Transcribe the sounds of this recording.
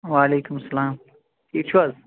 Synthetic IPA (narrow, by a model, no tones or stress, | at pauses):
waːleːkʊmsɐlaːm | ʈʰiːk̚t͡ʃʰuwaz